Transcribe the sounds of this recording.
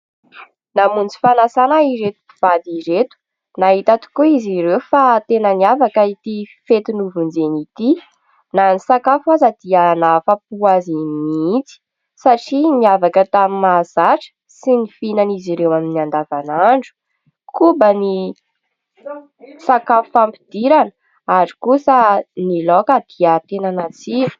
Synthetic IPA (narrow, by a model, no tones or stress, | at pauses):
namunt͡si̥fanasanaiɾet̪u̥iv̥ad̪iɾet̪u̥ | naɦit̪at̪u̥kuiziɾewfat̪enəniavakəit̪ifet̪inuvund͡zenit̪i | nanisakafazəd̪̥iənafap̚uazimiit͡si̥ | saʈ͡ʂimiavakət̪amimaz̥aʈ͡ʂə̥ | sinifinaniziɾewaminiand̪avanaɳɖ͡ʐu̥ | kubəni | sakafufampid̪̥iɾanə̥ | aɾi̥kusənilokəd̪̥iət̪enanat͡si̥